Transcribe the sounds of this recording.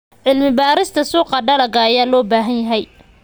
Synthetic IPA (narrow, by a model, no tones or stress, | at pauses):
ʕɪlmɪbaːɾɪst̪ʰɐsuːqɑɖɐɾɐɡajaːlɔːbaːɦɐnjɐɦɛj